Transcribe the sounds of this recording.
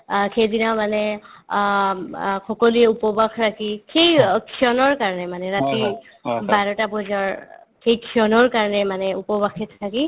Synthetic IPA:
kʰejdinamanɛ | kɔkɔluɛupɔbakʰɹakikʰejkʰiɔnɔɹkaɹnɛmanɛɹati | baɹɔtabɔzɔɹ | kʰejkʰiɔnɔɹkaɹnɛmanɛupɔbakʰɛtʰtʰaki

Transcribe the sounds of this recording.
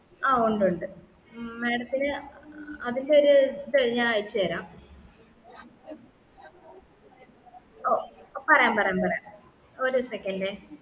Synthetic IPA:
aːuɳɖuɳɖɨ | meːɽɐt̪ːinɨ | ɐðindeoɾut̪eɻiɲːaaːjit͡ɕːuɐɾaːm | opɐrɐjaːmpɐrɐjaːmpɐrɐjam | oɾusekːɐnɖe

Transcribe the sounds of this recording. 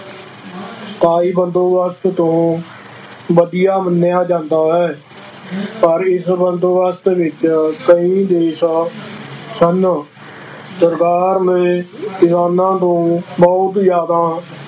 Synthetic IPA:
sə̥t̪ʰaːiːbənd̪oːʋəst̪t̪õː | ʋəɖɪjaːmənːɪjaːd͡ʒãːnd̪aːɦɛː | pəɾɪsbənd̪oːɡəst̪eːʋɪt͡ʃkəĩːd̪eːsaː | sən | səɾkaːɾmẽːk̪ɪsaːnãːt̪õːbɔːt̪zjaːd̪aː

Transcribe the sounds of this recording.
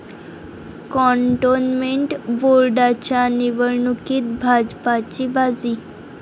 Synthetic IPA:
kɔɳʈonmeɳʈbolɖat͡ɕjaniʋəɾɳukiːt̪̚bʱad͡zpat͡ɕibad͡ziː

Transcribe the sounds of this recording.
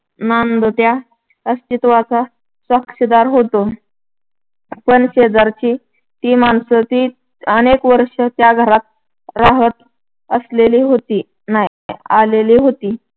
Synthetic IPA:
nand̪ət̪ja | əst͡ɕ̪it̪ʋat͡sa | səkʂəd̪aɾɦot̪o | pənɕeəd͡zaɾt͡ɕiː | t̪iːmansət̪iː | ənekʋəɾʂət̪jaɡʱəɾat̪̚ | ɾaɦət̪ | əsleliːɦot̪iː | na | aleliːɦot̪iː

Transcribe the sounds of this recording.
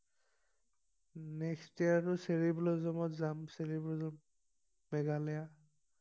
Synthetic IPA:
nɛkstiaɹʊseɹiblɔzɔmɔtzamseɹiblɔzɔmː | ɛɡalɛja

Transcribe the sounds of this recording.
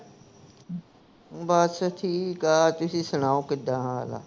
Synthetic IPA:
baːt̪sat̪ʰiːkaːt̪ʊsisəñaːõkɪd̪aɦã̰la̰

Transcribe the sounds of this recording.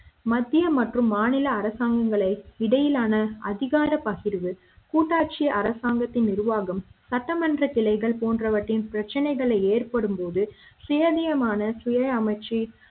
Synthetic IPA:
mɐd̪ːɪjɐmɐʈrɯmːaːnɪlɐːɾɐsaːŋɡɐŋɡɐɭɐɪɪɽɐjɪlaːnɐʔɐðɪɣaːɾɐpɐɣɪɾʋɯ | kuːʈːaːʈ̚t͡ʃɪjɐʔɐɾɐsaːŋɡɐt̪ːɪnnɪɾʋaːɣɐmsɐʈːɐmɐndrɐkɪlɐɪɣɐɭpoːndrɐʋɐʈːɪnpɪɾɐt͡ʃːɐnɐɪɣɐɭɐɪeːrpɐɽɯmpoːðɯsejɐðɪjɐmaːnɐsʊjɐɐmɐɪt͡ʃːi

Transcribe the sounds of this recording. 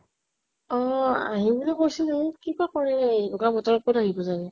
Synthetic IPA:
ɔ̃a̰ɦibulɛkojsɛnɛkibakɔɹɛdɔkabɔtɔɹɔpɔtaɦibɔzanɛ

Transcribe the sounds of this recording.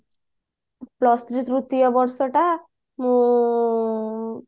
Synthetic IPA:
plɔst̪ɾit̪ɾut̪ːijɔbɔɾsɔʈa | mũ

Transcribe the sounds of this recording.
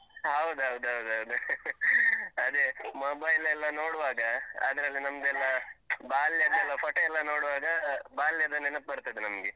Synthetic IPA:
ɦɐwd̪uɦɐwd̪uɦɐwd̪uɦɐwd̪u | ɐd̪emobɐjlɛlːɐnoːɽʋaːɡɐa̰d̪ɐɾɐlːinɐmd̪ɛlːɐbaːljɐd̪ɛlːɐpɐʈɐɛlːɐno̞ːɽʋaːɡɐbaːljɐd̪ɐnːenɐp̪̚bɐɾt̪ɐd̪enɐmɡe

